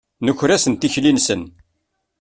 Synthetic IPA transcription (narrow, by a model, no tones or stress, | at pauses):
nəçɾæsənt̪içlinsən